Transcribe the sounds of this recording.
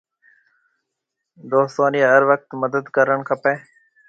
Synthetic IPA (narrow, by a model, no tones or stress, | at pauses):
d̪oːsoːniɦəɾʋək̚t̪məd̪əd̪kəɾəɳkʰəpeː